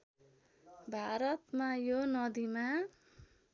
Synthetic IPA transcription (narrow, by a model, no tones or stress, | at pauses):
bʱaɾʌt̪majonʌd̪ima